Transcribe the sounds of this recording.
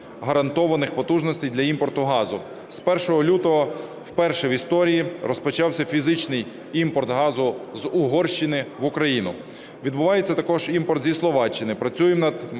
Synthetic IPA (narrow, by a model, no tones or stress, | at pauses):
ɦɐɾɐnt̪ɔʋɐnɪxpɔt̪uʒnɔsʲt̪ejd̪lʲɐimpɔrt̪ʊɦɑzʊ | spɛrʃɔɦɔlʲut̪ɔɦɔ | wpɛrʃɛʋist̪ɔɾʲijirɔspɔt͡ʃɑwsʲɐfʲizɪt͡ʃnɪj | impɔrt̪ɦɑzʊzʊɦɔrʃt͡ʃɪnɪʋʊkɾɐjinʊ | ʋʲid̪̚bʊʋɑjet͡sʲːɐt̪ɐkɔʒimpɔrt̪zʲislˠɔʋɑt͡ʃːɪnɪpɾɐt͡sʲujemnɐd̪